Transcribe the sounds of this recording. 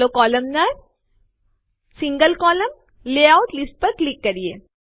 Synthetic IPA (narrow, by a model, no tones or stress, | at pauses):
okɔːlɐmnɐ | siŋɡɐlkɔːlɐm | leːaʊʈlisʈpɐklikːɐɾijḛː